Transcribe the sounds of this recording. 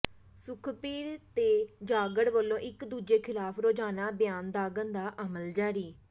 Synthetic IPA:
sʊkʰpiːɾt̪eːd͡ʒaːɡəɽʋəlːõːʔɪkd̪uːd͡ʒeːkʰɪlaːpʰɾoːd͡ʒaːnaːbjaːnd̪aːɡənd̪aːʔəməld͡ʒaːɾiː

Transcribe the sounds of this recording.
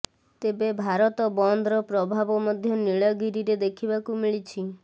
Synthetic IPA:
t̪ebebʱaɾɔt̪ɔbɔnd̪ʱɾɔpɾɔbʱabɔmɔd̪ʱjɔniɭɔɡiɾiɾed̪ekʰibakumiɭit͡ʃʰi

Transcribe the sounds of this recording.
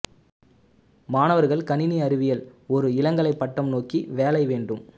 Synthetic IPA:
maːnɐʋɐɾɣɐɭkɐnɪniɐɾɪʋɪjɐlɔɾɯɪlɐŋɡɐɭɐɪpːɐʈːɐmnoːkiʋeːlɐɪʋeːɳɖɯm

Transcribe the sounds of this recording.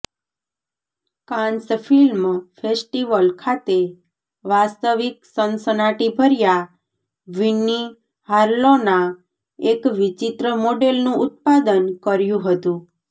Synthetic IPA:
kãnsfilmfesʈiʋəlkʰat̪e | ʋast̪əʋiksənsənaʈibʱəɾja | ʋinːi | haɾlona | ekʋit͡ʃit̪ɾəmoɖelnũʊt̪̚pad̪ənkəɾjũɦət̪ũ

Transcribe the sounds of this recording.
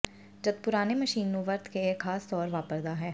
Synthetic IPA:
d͡ʒɐd̪̚pʊɾaːnemɐʃiːnːõʋɐɾt̪ʰkeexaːst̪ɔːɾʋaːpəɾd̪aɦɛː

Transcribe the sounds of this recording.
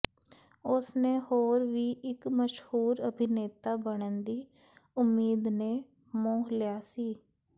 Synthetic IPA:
ʊsnehoːɾʋiːʔɪkməʃhuːɾəbʱɪneːt̪aːbəɽənd̪iː | ʊmːiːd̪neː | mõːɦlɪjaːsiː

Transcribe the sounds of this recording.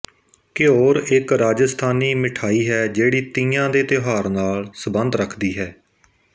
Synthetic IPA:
kɪoːɾɪkɾaːd͡ʒəst̪ʰaːniːmɪʈʰaːiːɦɛːd͡ʒeːɽiːt̪ĩːãːd̪eːt̪ɪɦaːɾnaːlsəbə̃nd̪ɾəkʰd̪iːɦɛː

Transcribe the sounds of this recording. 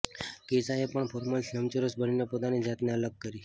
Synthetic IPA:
kesaepəɳpʰoɾməlsnəmt͡ʃəɾəsbəninepot̪anid͡ʒat̪neələɡ̚kːəɾi

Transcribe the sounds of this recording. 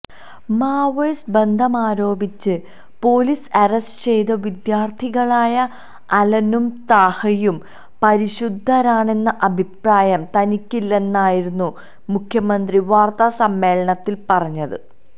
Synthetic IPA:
maːʋejsbe̞nd̪ʱɐmaːɾo̞ːbit͡ɕːɨ | po̞ːlisɐɾesʈt͡ɕe̞jt̪ɐʋid̪jaːrt̪ʰiɣɐɭaːjɐː | lɐnumt̪aːhɐjum | pɐɾiɕud̪ʱːɐɾaːɳe̞nːɐʔɐbʱipraːjɐmt̪ɐnikʲːilːenːaːjiɾunːu | mukʰjɐmɐnd̪riʋaːrt̪ɐsɐmːe̞ːɭɐɳɐt̪ːilpɐrɐɲːɐðɨ

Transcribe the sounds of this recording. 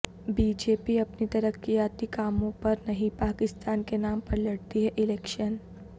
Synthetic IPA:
biːd͡ʒeːpiɐpnit̪ɐɾəkːijaːt̪ikaːmõpɐɾnɐɦĩpaːkɪst̪aːnkenaːmpɐɾlɐɽt̪iɦɛʔɪlɛːkʃən

